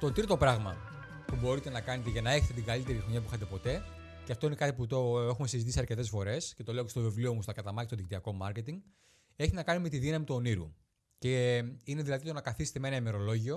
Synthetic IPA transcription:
t̪o̞t̪ɾit̪o̞pɾɐɣmɐ̰ | pubo̞ɾit̪e̞nɐkɐnet̪eʝɐnɐe̞çet̪e̞t̪iŋɡɐlit̪e̞ɾiɣoɲɐp̬uixɐt̪̬e̞po̞t̪e̞ | ceɐft̪o̞ine̞kɐt̪iput̪oe̞xume̞sizit̪isɐɾce̞t̪e̞sfo̞ɾe̞sce̞t̪o̞leocest̪o̞vevlio̞must̪ɐkɐt̪ɐmɐcist̪oðicit̪iɐko̞mɐɾce̞t̪iŋɡ | e̞çienɐkɐnime̞t̪iðinɐmit̪uoniɾṵ | ce̞ine̞ðilɐðit̪o̞nɐkɐθiset̪eme̞nɐime̞ɾo̞lo̞ʝio

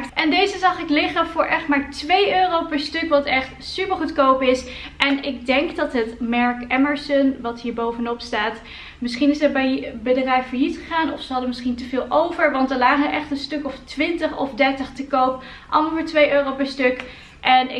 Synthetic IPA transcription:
ʔɛndejzəzɑχɪklɪχəvʊːɹʔɛχtmaːɹtʋejøːrowpɛɹstɵkʋɑtɛχtsypəɹχutkowpɪsʔɛnɪɡ̚dɛŋɡdɑtɦətmɛɹkɛməɹsənʋɑtɦiːɹbowvənɔpstaːt | mɪsχinɪsətbɛjbədrɛjfəɹjitχəχaːnɔfsəɦɑdəmɪsχintəvɪːlˠʔowvəɹʋɑntəɹlaːχəəʔɛχtənstɵkɔftʋɪntəχɔfdɛɹtəχtəkowp | ʔɑ̰lˠmɑlˠvʊːɹtʋejøːrowpɛɹstɵk | ʔɛnɪ

